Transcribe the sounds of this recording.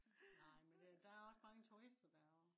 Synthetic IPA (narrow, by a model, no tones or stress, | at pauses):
nɑ̈ɪ̰mend̥ed̥æ̈æɐɒ̽sm̥ɑ̈ːŋent͡sʰoesd̥ɐd̥æ